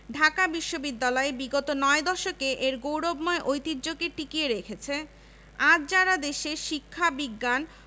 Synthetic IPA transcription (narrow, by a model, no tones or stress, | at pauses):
ɖʱakabiʃːobid̪ːalɔebiɡot̪onɔed̪ɔʃokeʔeɾɡowɽobmɔeʔojt̪iɾd͡ʑoɡeʈikieɾekʰet͡ɕʰe | ad͡ʑd͡ʑaɾad̪eʃeʃikʰːabiɡːan